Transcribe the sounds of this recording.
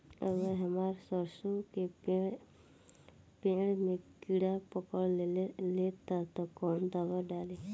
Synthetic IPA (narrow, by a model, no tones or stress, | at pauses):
əɡəɾɦəmaːɾsɔɾsuke | pẽɽmẽkiɽapɔkəɭlet̪at̪ɔkɔːnd̪əʋəɾɖaːle